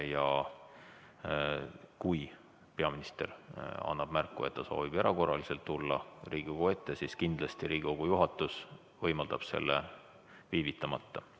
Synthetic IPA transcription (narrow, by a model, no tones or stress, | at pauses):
jɑ | kuj | pe̞ɑminist̪e̞rɑ̰nːɑb̥mærkːˑue̞t̪t̪ːɑso̞̰ːvib̥eɾʔɑko̞rɑlise̞lt̪ːulːɑriːɡ̥ikoɡ̥ue̞t̪ːe̞siskind̪̥lɑst̪iɾiːɡikoɡ̥ujuɦɑt̪ːˑus | vɤjmɑld̪̥ɑb̥se̞̰lːḛ | viːvit̪ːˑɑmɑt̪ːɑ